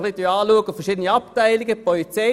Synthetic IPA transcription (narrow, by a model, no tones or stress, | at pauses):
χlidyaːluəɡufɛɐʃiːd̪əniɑp̚tæɪliɡəpʰɔlit͡se